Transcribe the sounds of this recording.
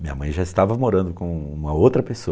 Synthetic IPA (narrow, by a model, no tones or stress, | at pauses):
mĩɲɐ̰mɐ̰̃j̃ʒaɪst̪avɐmoɾɐ̃nd̪ʊkõũmɐowt̪ɾɐpeso